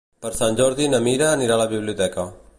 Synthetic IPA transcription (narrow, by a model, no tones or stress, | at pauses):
pɐɾsãɲd͡ʒoːɾd̪iːnɐmiːɾaːnɪɾaːlaːbɪʋluːd̪ɛːkãː